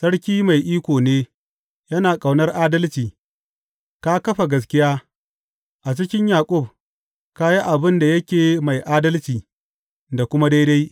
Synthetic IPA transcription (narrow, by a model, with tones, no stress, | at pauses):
sɐ˦ɽkʲiː˦ma˨jʔiː˦kʷoː˨neː˦ | jɐ˦naː˨kʼa˨wnɐ˦rʔaː˦dɐ˦lt͡ʃiː˨ | ka˦kɐ˦ɸa˨ɡɐ˦s̬kʲɪ˦jaː˦ | ʔa˨t͡ʃɪ˦kʲɪ˦ɲjaː˨kʷʼʊ˦˨b̚ | ka˦ji˦ʔa˨bɪ˦nda˨jɐ˦kʲeː˨ma˨jʔaː˦dɐ˦lt͡ʃiː˨ | da˨kʷʊ˦ma˦da˦jda˦j